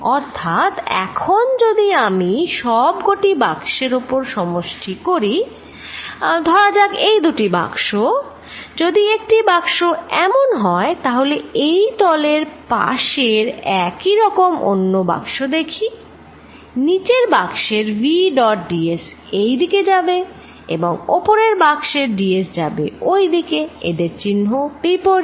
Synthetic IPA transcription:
ɔɾt̪ʰat̪ɛ̰kʰond͡ʑod̪iamiʃɔbɡoʈibakʃeɾopoɾʃɔmoʃʈʰikoɾi | d̪ʱɔɾad͡ʑaɡejd̪uʈiba̰kʃo | d͡ʑod̪iek̚ʈibakʃoɛmonɦɔet̪aɦoleejd̪ɔleɾpa̰ʃeɾɛkiɾɔkomʔo̰nːoba̰kʃod̪ekʰi | nit͡ɕeɾbakʃeɾviɖɔʈ̚ɖies | ejd̪iked͡ʑabe | ḛboŋopoɾeɾbaɡʃeɾɖiesd͡ʑabḛojd̪ikeḛd̪eɾt͡ɕinːɦob̥ipoɾi

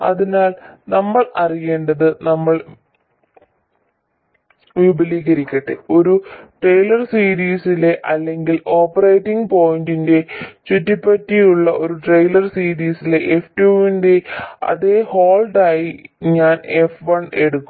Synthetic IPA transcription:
ɐ̰ðinaːlnɐmːɐɭɐrije̞ːɳɖɐðɨnɐmːɐɭ | ʋibɐliːɣɐɾikʲːɐʈːḛo̞ɾuʈrejlɐrsiːɾiːsileʔɐlːe̞ŋɡilo̞ːpːɐrɐjʈːiŋɡpo̞ːjindinde̞t͡ɕutːipːɐtːijuɭːɐʔo̞ɾuʈrejlɐrsiːɾiːsileʔeftuːindeɐ̰ðe̞ho̞ːlɖaːjiɲaːne̞fʋɐɳe̞ɽukːum

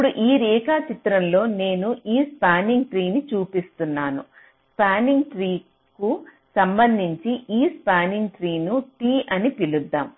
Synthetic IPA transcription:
puɽuʔiːɾiːkaːt͡ʃit̪ɾɐmlo̞ːne̞ːnuʔiːspaːniŋɡʈɾiːnit͡ʃuːpist̪unːaːnu | spaːniŋɡʈɾiː | ku | sɐmbɐnd̪ʱiɲt͡ʃiʔiːspaːniŋɡʈɾiːnuʈiːʔɐnipilud̪ːaːm

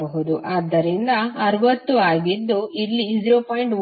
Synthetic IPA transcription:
bɐɦud̪uʔaːd̪ːɐɾind̪ɐɐɾʋɐt̪ːuaːɡid̪ːuilːizɾoːpʰɐjiɳʈ

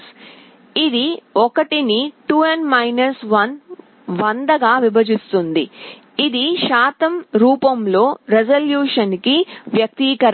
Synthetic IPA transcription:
id̪iɔkɐʈiniʈuːenmɐjnɐsʋɐn | ʋɐnd̪ɐɡaːʋibɐd͡ʒist̪und̪iː | d̪iʃaːt̪ɐmɾuːpɐmlo̞ːɾed͡ʒɐljuːʂɐnkiʋjɐk̚t̪iːkɐɾ

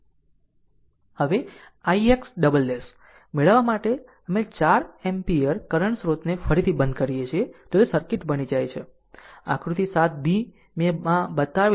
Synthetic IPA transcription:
həʋe | aieksɖəbəlːes | meɭəʋamaʈe | əmet͡ʃaɾempiəɾkəɾəɳsɾot̪nefəɾit̪ʰibənd̪kəɾijet͡ʃʰiet̪oesəɾkɪʈbənid͡ʒajt͡ʃʰe | ã̰kʰɾut̪isat̪̚bĩ | mẽmãbət̪aʋ

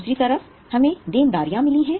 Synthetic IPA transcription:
uːsɾit̪ɐɾəf | hɐmẽd̪eːnd̪aːɾijãmɪliɦɛ̃ː

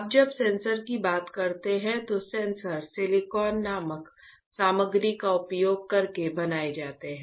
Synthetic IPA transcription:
ɐb̚d͡ʒɐbsɛ̃ːnsəɾkibaːt̪kɐɾt̪eɦɛ̃t̪osɛ̃ːnsəɾsɪlɪkɔːnːaːmək | saːməɡɾikaʊpjoːɡ̚kɐɾkebɐnaːed͡ʒaːt̪eɦɛ̃

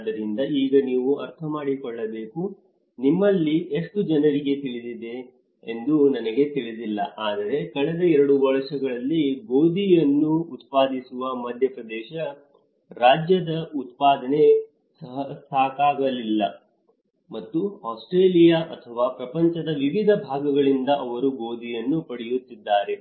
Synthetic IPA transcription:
d̪ɐɾind̪ɐiːɡɐniːʋuɐ̰ɾt̪ʰɐmaːɽikɔɭːɐbe̞ːku | nimːɐlːieʂʈud͡ʒɐnɐɾiɡe̞t̪iɭid̪id̪e̞ː | nd̪unɐnɐɡe̞t̪iɭid̪ilːɐ̰ʔaːd̪ɐɾe̞kɐɭɛd̪ɐɛɾɐɽubɐɭɐʃɐɡɐɭɐlːiɡoːd̪ijɐnːuːt̪paːd̪isuʋɐmɐd̪ʱjɐpɾɐd̪ɛːʃɐ | ɾaːd͡ʒjɐd̪ɐʔut̪paːd̪ɐne̞ | sɐɦɐst̪ʰaːkaːɡɐlilːɐ̰ | mɐt̪ːuaːsʈɾeːlijaːʔɐt̪ʰɐʋaːpɾɐpɐɲt͡ʃɐd̪ɐʋiʋid̪ʱɐbʱaːɡɐɡɐɭind̪ɐʔɐʋɐɾuɡoːd̪ʱijɐnːupɐɽijut̪ːid̪ːaːɾe̞

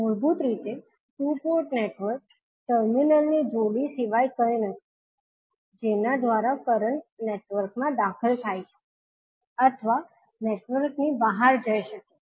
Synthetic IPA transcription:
mʊɾbut̪ɾit̪e | supoɾʈneʈʋəɾk̚ | ʈəɾminəlnid͡ʒoɽisiʋajkəɾenət̪ʰi | d͡ʒenad̪ʋaɾakəɾəɳʈneʈʋəɾkmãd̪akʰəlt̪ʰajt͡ʃʰe̥ | ət̪ʰəʋa | neʈʋəɾknibəɦaɾd͡ʒəjʃəke̥

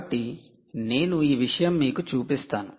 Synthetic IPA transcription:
ʈːi | ne̞ːnuiːʋiʂɐjɐmːiːkut͡ʃuːpist̪aːnu

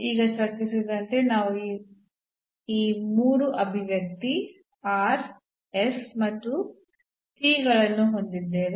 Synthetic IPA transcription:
iːɡɐsɐksisid̪ɐnt̪e̞naːʋui | iːmuːɾuʔɐbʱiʋjɐk̚t̪i | aːɾ | esmɐt̪ːu | ʈiːɡɐɭɐnːuɦo̞nd̪id̪ːeːʋe

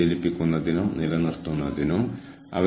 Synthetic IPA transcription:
elipːikʲːunːɐðinumnilɐnirt̪ːunːɐðinum | ɐ̰ʋɐ

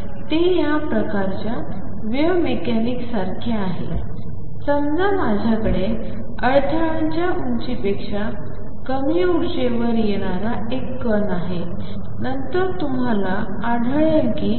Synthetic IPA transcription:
t̪ejapɾəkaɾt͡ɕja | ʋjəʋmekaniksaɾkʰeaɦḛ | səmd͡z̪amad͡ʑʱakəɽe | əɭʈʰaɭaɲt͡ɕjaʔuɲt͡ɕipekʂa | kəmijəuɾʂeʋəɾjeɽ̃aɾa | ekːənaɦe | nənt̪əɾt̪um̤ala | aɽʱəɭəlkiː

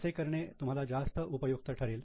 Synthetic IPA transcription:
sekəɾɳet̪um̤alad͡zast̪əʔupəjuɡ̚t̪əʈʰəɾiːl

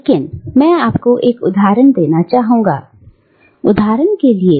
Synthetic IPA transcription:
lekɪnmɛ̃ːaːpkoʔeːkʊd̪ʱaːɾənd̪eːnat͡ʃaːɦũːŋɡa̰ː | ʊd̪ʱaːɾənkelie

